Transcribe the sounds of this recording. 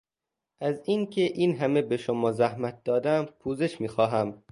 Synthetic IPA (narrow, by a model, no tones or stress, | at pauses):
ʔæziːncʰeʔiːnɦæme̞beʃomɒːzæhmæt̪̚d̪̥ɒːd̪æmpʰuːze̞ʃmiːxɒːɦæm